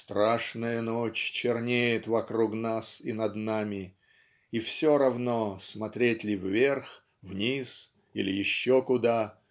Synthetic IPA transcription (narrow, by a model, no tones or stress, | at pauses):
st̪ɾaʂnəjənot͡ɕt͡ɕɪrnʲejɪt̪vɐkɾuknasinɐd̪namʲɪ | ifsʲoɾɐvnosmɐt̪ɾʲetʲlʲɪvvʲe̞rx | vnʲis | ilʲɪjɪɕːokʊd̪a